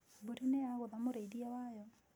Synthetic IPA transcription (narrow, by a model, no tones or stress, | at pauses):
buɾinejaɣoðamoɾeidiawajɔ